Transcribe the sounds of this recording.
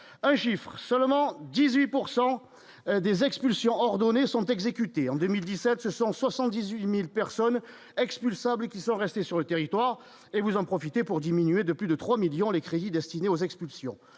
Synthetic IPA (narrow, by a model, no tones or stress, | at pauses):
ɛ̃ʃifχəsœlmɑ̃d̪izɥipuʁsɑ̃ | d̪ezɛkspylsjɔ̃ɔʁd̪ɔnesɔ̃t̪ɛɡzekʲyt̪eɑ̃d̪ømild̪isɛt̪səsɔ̃swasɑ̃t̪̚d̪izɥimilpɛʁsɔn | ɛkspylsabləkʲisɔ̃ʁɛst̪esyʁlət̪eʁit̪waʁ | evuzɑ̃pχɔfit̪epuʁd̪iminyed̪əplyd̪ət̪χwamiljɔ̃lekχed̪id̪ɛst̪ineozɛkspylsjɔ̃